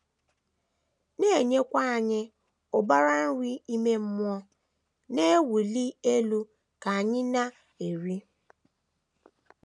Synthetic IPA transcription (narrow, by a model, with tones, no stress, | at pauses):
ne˦˨e˨ɲe˦kʷa˦a˨ɲɪ˦ | ʊ˨ba˦ɾa˦n̩˦wʷi˦i˦me˦m̩˦m˦ɔ˦ | ne˦wu˨li˦e˦lu˦ | ka˨a˨ɲɪ˦na˦ | e˨ɾi˦